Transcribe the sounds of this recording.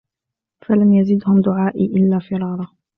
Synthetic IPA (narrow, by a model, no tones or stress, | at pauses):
falamjazɪd̪hʊmd̪ʊʕaːʔiʔɪlːaːfiːɾˤɑːɾˤɑ